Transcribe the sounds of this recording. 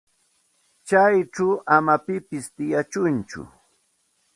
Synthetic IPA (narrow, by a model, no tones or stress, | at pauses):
t͡ʃajʈ͡ʂawʔamapɪpɪst̪ɪjat͡ʃʊnt͡ʃʊ̰